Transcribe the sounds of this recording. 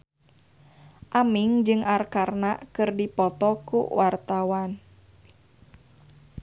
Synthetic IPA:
ʔamiŋd͡ʒɨŋʔarkarnakɨrdipɔt̪ɔkṵwart̪awan

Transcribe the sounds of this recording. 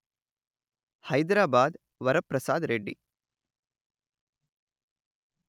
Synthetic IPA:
hɐjd̪ɾaːbaːd̪ | ʋɐɾɐpɾɐsaːd̪ɾeɖːḭ

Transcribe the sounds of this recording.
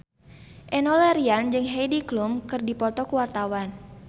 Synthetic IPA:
ʔɛnɔlɛɾiand͡ʒɨŋɦejdiklumkɨrdipɔt̪ɔkuwart̪awan

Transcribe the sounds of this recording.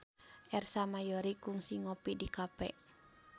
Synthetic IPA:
ʔɛrsamajɔɾikuŋsiŋɔpidikapɛ̰

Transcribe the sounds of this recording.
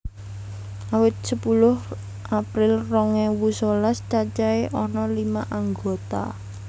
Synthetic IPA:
awɪt̪̚səpulʊh | ʔapɾɪlrɔŋɛwusolast͡ʃat͡ʃaeʔɔnɔlimaʔaŋɡot̪a̰

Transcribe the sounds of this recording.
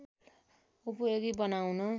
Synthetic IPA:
upueɡibʌnawno

